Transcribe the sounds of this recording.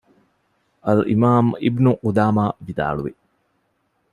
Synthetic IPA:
ʔɐlimaːmibnuqud̪aːmaːʋid̪a̰ːɭuʋi

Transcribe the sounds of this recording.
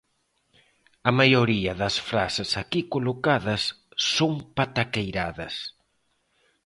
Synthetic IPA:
ɐmajoɾiɐðɐsfɾa̰sesakikolokaðɐsː | oŋpat̪akejɾaðɐs

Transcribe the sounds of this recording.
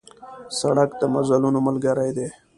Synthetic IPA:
saɽakd̪əmazalunoməlɡəɾajd̪e

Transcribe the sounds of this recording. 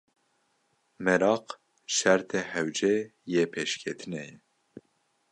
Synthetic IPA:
mɛɾɑːq | ʃæɾt̪ʰɛhɛwd͡ʒejepʰeʃkʲʰet̪ʰɨnɛjɛ

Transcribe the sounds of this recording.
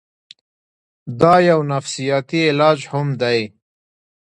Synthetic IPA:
d̪ɑjawnafsijɑt̪iɪlɑd͡ʒhʊmd̪aj

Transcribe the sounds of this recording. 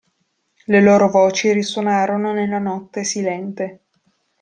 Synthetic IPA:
leloːɾovoːt͡ʃiriswonaːɾononelːanɔt̪ːesilɛnt̪e

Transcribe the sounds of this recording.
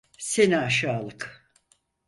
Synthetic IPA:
seniaʃaːlˠɯk

